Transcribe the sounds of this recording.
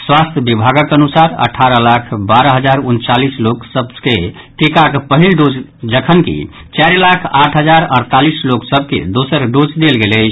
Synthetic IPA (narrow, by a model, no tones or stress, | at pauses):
swast̪ʰjəbibʱaɡəkənusaɾə̰ʈʰaɾəlakʰbaɾəɦəd͡ʒaɾunt͡ʃalisloksəb̚ke | ʈ̪ekakpəɦilɖod͡ʒd͡ʒəkʰənkḭ | t͡ʃaɾlakʰaʈʰɦəd͡ʒaɾə̰ɾt̪alisloksəb̚ʱkḛd̪osəɾɖod͡ʒd̪elɡelət͡ʃʰ